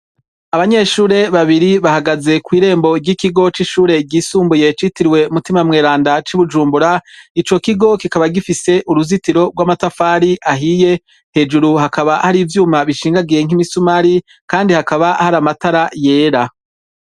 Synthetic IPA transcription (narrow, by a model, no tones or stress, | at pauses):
aβaɲe̞ʃuːɾe̞βaβiɾiβahaɡaze̞kwiːɾe̞ːmbo̞ɟikiɡo̞t͡ʃiʃuːɾe̞ɟiːsuːmbuje̞t͡ʃitiɾiwe̞umutimamŋe̞ːɾaːndat͡ʃiβud͡ʒuːmbuɾait͡ʃo̞kiɡo̞kikaβaɡifise̞ʔuɾuzitiɾo̞ɡwaːmatafaːɾiʔaɦije̞ | he̞ːd͡ʒuɾuhakaβahaɾiːvjuːmaβiʃiːŋɡaɡieŋimisumaɾi | kaːndihakaβahaɾamataɾaje̞ːɾa